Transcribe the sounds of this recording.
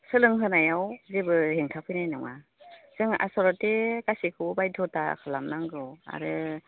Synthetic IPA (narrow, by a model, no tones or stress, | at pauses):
sɯlɯŋɦɯnajawzebɯheŋtʰapʰɯjnajnɔŋa̰ | z̥ɯŋa̰sɔɾɔtekasikʰɯbbajdʰɔta̰kʰɯlamnaŋɡɯwa̰ɾɯ